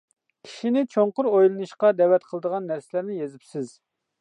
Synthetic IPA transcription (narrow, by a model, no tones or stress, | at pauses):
kʲʰi̥ʃinɪt͡ʃʰoɴqʊɾojlˠɨnɨʃqɑd̪ɛwɛt̪qʰəlˠəd̪əʁɑnːæɾsɪlæɾnɪjezɪpsɪz̥